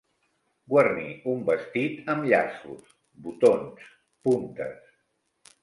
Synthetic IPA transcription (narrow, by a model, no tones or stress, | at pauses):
ɡwərniumbəst̪it̪əmʎa̰sṵs | but̪ons | punt̪ə̰s